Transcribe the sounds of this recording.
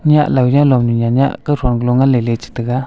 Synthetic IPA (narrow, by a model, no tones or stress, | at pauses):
ɲaʔlawjãlɔmɲuɲaɲa̰ʔkəɾonɡloŋalelet͡ʃi̥t̪əɡa